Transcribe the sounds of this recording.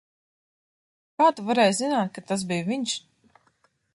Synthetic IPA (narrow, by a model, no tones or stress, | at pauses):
kaːt̪uvaɾɛːjzinaːt̪̚kat̪as̬bijviɲʃ